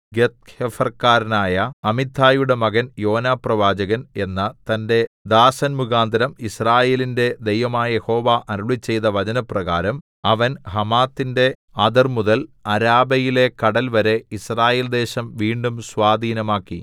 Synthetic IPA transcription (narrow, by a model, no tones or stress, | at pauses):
ɡet̪̚hefɐrkaːɾɐnaːjɐɐmit̪ʰːaːjuɽe̞mɐɣɐnjo̞ːnaːprɐʋaːd͡ʑɐɣɐne̞nːɐt̪ɐnde̞d̪aːsɐnmuɣaːnd̪ɐɾɐmisraːje̞ːlinde̞d̪ejʋɐmaːjɐjeho̞ːʋaːʔɐɾuɭit͡ɕːe̞jt̪ɐʋɐd͡ʑɐnɐprɐɣaːɾɐm | ɐʋɐnhɐmaːt̪ːinde̞ | ɐd̪ɐrmuðɐlɐɾaːbɐjile̞kɐɽɐlʋɐɾe̞israːje̞ːld̪e̞ːɕɐmʋiːɳɖumswaːd̪ʱiːnɐmaːkːḭ